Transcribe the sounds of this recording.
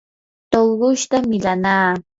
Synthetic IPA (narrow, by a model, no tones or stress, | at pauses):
t̪owɾʊʃt̪amɪlanaː